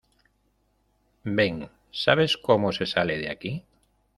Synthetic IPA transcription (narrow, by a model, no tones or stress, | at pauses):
beŋ | saβ̞eskomosesaleðea̰ki